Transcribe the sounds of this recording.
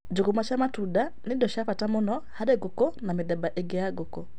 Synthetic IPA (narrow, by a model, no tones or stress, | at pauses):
d͡ʒukumat͡ʃamatudanidɔʃafatamunɔhadɛɡukɔnamidɛbaʔeɡɛaɡukɔ